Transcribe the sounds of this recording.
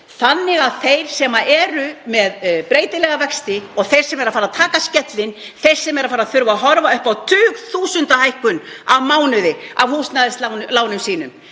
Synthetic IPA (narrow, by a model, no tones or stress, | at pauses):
θanːɪɣaðθejɾ̥sɛmaʔɛːɾʏmɛðpɾeːjt̪ɪlɛɣavɛkst̪ɪɔɣθejɾ̥sɛmɛɾaðfaːɾaðt̪ʰaːkascɛt̪lɪn | θejɾ̥sɛmɛɾaðfaːɾaðθʏɾvaɦɔɾvaʏhpawt̪ʰʏːɣθuːsʏnt̪ahajhkʏnavmaːwnʏðɪavhuːst̪naðɪst̪lawnlaːwnʏmsiːnʏ̰m